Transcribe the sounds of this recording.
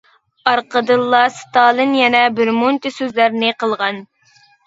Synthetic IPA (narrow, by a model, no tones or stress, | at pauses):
ɑɾqəd̪ɨlˠːɑst̪ɑːlˠɨnjɛnɛbɪɾmont̪ɨsøzlæɾnɪqʰəlˠʁɑn